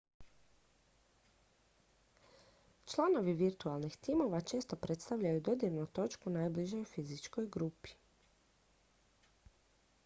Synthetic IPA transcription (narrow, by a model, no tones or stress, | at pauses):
t͡ʃlˠano̞ʋiʋiɾt̪ualˠnixt̪imo̞ʋat͡ʃe̞ːst̪o̞pɾet̪st̪aʋʎajud̪o̞d̪jeʋnut̪o̞t͡ʃkunaːjbliʒejufizit͡ʃko̞jɡɾupi̥